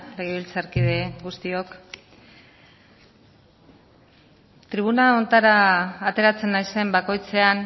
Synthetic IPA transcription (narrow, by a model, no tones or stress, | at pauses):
leɣiβilt͡saɾkiðe̞ɣust̪io̞k | t̪ɾiβ̞unao̞nt̪aɾaːt̪e̞ɾat͡se̞nːajse̞mbako̞jt͡se̞an